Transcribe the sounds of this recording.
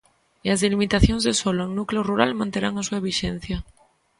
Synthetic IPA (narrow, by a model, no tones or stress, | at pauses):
iazðelimit̪aθjonzðesoloeŋnukleoruɾalmãnt̪eɾaŋasuaβ̞iʃen̟θja